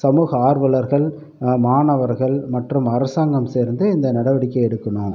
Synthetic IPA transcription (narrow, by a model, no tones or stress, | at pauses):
sɐmuːɣɐaːɾʋɐlɐɾɣɐɭ | maːɳɐʋɐɾɣɐɭmɐʈrɯmɐɾɐsaːŋɡɐmseːɾnd̪ɯɪnd̪ɐnɐɽɐʋɐɽɪkːɐɪɛɽɯkːɐɳoːm